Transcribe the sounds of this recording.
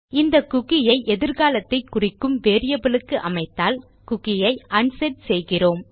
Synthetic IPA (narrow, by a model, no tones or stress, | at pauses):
ɪnd̪ɐkʊɣɪjɐɪʔɛðɪɾɣaːlɐt̪ːɐɪkːʊrɪkːɯmʋeːɾɪjɐbɐɭɯkːɯʔɐmɐɪt̪ːaːl | kʊɣɪjɐɪʔɐɳsɛɖsɛjɣɪroːm